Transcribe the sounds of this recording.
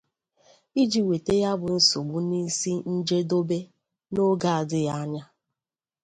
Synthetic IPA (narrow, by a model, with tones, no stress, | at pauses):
i˦d͡ʒi˨we˨te˦ja˦bʊ˨n̩˦so˨ɡ͡bu˦ni˦si˦n̩˦d͡ʒe˦do˦be˦ | no˦ɡa˨a˨dɪ˦ja˦ɲa˦